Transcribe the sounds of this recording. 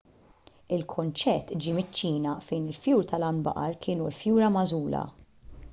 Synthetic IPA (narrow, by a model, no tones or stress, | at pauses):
ɪlkʰʊnt͡ʃɛt̪ːd͡ʒimɪt͡ʃːiːnɐfɛjnɪlfjuːɾt̪ʰɐlɐnbɐ̰ʔɐɾkʰɪːnulfjuːɾɐmɐzuːlɐ̰